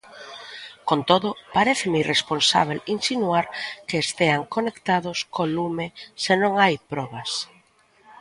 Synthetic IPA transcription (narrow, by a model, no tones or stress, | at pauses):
kont̪oðʊpaɾeθɪmeirʔesponsa̰β̞elinsinuaɾkeːst̪eaŋkonekt̪aðʊskolumesenõŋajpɾɔβas